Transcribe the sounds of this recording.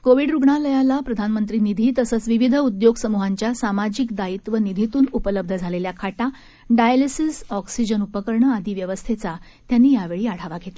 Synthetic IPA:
koʋiɖɾuɡɳaləjalapɾəd̪ʱanmənt̪ɾiːnid̪ʱiːt̪əsət͡sʋiʋid̪ʱəud̪joɡsəmuɦaɲt͡ɕjasamad͡ʑikd̪ait̪ʋənid̪ʱit̪uːnupələb̚d̪ʱəd͡zʱaleljakʰaʈa | ɖajlisisɔksid͡ʑənupəkəɾɳəad̪iːʋjəʋəst̪ʰet͡sa | t̪janːiːjaʋeɭiːaɽ̤aʋaɡʱet̪la

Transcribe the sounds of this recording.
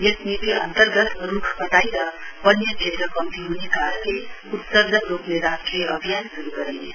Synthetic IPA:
jesnit̪iʔʌ̰nt̪ərɡʌt̪ɾukʰbʌt̪ajɾʌpʌnjʌd͡ʒʱet̪ɾʌkʌmt̪iɦunekaɾənle | ut̪sʌɾd̪ʌɾopneɾasʈɾijeʔʌbʱijansuɾuɡʌɾine

